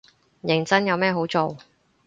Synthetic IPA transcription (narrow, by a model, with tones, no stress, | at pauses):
jɪ˨˩ŋt͡sɐ˥njɐ˨˧wmɛː˥ɦo˨˥wt͡so˨w